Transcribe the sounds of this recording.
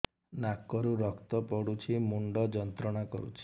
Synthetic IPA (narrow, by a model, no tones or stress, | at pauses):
nakːɔɾuɾɔkt̪ɔpɔɽut͡ʃʰimuɳɖɔd͡ʒɔnt̪ɾɔɽ̃akɔ̰ɾṵt͡ʃʰi̥